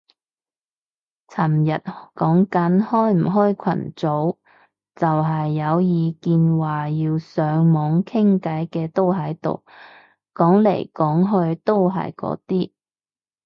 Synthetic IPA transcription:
t͡sʰɐ˨˩mjɐ˨t̚kɔː˨˥ŋkɐ˨˥nhɔː˥jm̩˨˩ɦɔː˥jkʷʰɐ̰˨˩nt͡so˨˥w | t͡sɐ˨wɦɐ˨jːɐ˨˧wjiː˨˧kiː˧nwaː˨˩jiː˧wsœː˨˧ŋmɔː˨˧ŋkʰɪ˥ŋkɐ˨˥jkɛː˧t̪o˥wɦɐ˨˥jt̪o̰˨˩w | kɔː˨˥ŋlḛ˨˩jkɔː˨˥ŋɦɵ˧ɥt̪o˥wɦɐ̰˨jkɔ̰ː˨˥t̪iː˥

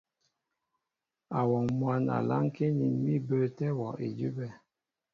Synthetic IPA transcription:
a˨wɔ˨mwa˦na̰˨la̰˦ŋ˦ke˦ni˨nmi˦bə˦˨tɛ˦wɔ˨ʔe˨d͡ʒu˦bɛ˦˨

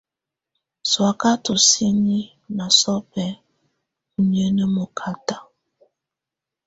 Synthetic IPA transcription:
swa˨ka˦to˨si˦ni˦ | na˨sɔ˦pɛ˨ | u˨ni˨e˦nɛ˦mo˨kʰa˨ta˦

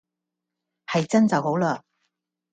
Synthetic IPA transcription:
hɐ˨jt͡sɐ˥nt͡sɐ˨wɦo˨˥wlaː˧

